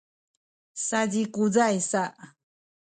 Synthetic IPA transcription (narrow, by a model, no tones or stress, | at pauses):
sad͡ʑikud͡zajsaʔa